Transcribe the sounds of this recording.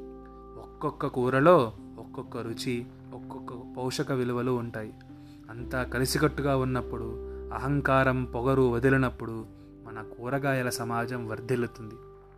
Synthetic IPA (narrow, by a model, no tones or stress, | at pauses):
ɔkːɔkːɐkuːɾɐlo̞ː | ɔkːɔkːɐɾut͡ʃi | ɔkːɔkːɐpɐwʂɐkɐʋiluʋɐluːɳʈaːji | ɐnt̪aːkɐlisikɐʈːuɡaːunːɐpːuɽuɐɦɐŋkaːɾɐmpɔɡɐɾuɐd̪ilinɐpːuɽu | mɐnɐkuːɾɐɡaːjɐlɐsɐmaːd͡ʒɐmʋɐɾd̪ʱelut̪und̪i